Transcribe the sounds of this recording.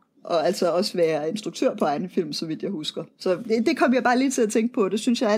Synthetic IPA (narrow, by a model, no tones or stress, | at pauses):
ʔɒ̽æl̰sɒ̽ɒ̽sʋæːɐe̝nsd̥ʁuɡ̥̚t͡sʰøɐ̰pʰɒ̽ɑ̈ɪn̩fil̰msɒ̽ʋid̥jɑ̈ɪhusɡ̥ɐsɒ̽d̥ed̥e̝kʰɒ̽m̰jɑ̈ɪb̥ɑ̈ːliːt͡sʰe̝læt͡sʰeŋ̰ɡ̥ə̥pʰɒ̽d̥e̝synsjɑ̈ɪæ